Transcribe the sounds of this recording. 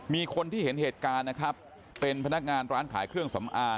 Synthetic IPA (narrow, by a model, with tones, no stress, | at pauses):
miː˧kʰo˧nt̪ʰiː˥˩he˩˦nheː˨˩t̪̚kaː˧nːa˦˥kʰɾa˦˥pː | e˧npʰa˧na˦˥k̚ŋaː˧nɾaː˦˥nkʰaː˩˦jkʰɾɯ˥˩əŋsa˩˦mʔaː˧